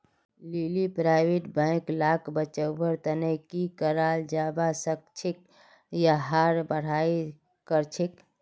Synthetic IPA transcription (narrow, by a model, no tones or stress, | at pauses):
lilipɾaɪweʈbə̃klakbət͡ʃəwbəɾt̪ənəkikəɾaːld͡ʒaːbasək̚t͡ʃʰɪk̚ | jaɦaːɾbəɽ̤aːi | kəɾt͡ʃʰik